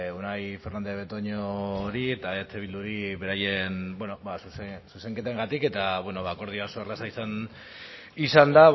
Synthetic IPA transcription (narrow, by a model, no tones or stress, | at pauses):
unajfe̞rnand̪eβet̪oɲoɾiet̪aet̪ʰeβ̞ild̪uɾiβe̞ɾaje̞nbweno̞basussuse̞ŋke̞t̪aeŋɡat̪ike̞t̪aβweno̞βako̞ɾð̞iasoerlasaisan | isand̪a